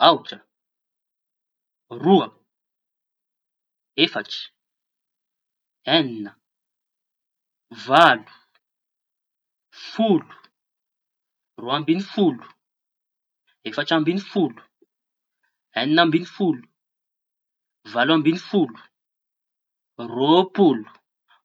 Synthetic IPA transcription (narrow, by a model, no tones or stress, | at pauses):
awʈ͡ʂə | ruə | efaʈ͡ʂi̥ | eninə | valu̥ | fulu̥ | roambinifulu̥ | efaʈ͡ʂambinifulu̥ | eninambinifulu̥ | valambinifulu̥ | ropulu̥